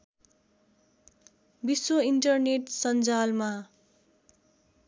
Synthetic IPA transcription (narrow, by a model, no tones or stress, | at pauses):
biswʌiɳʈʌrneʈsʌnd͡zalma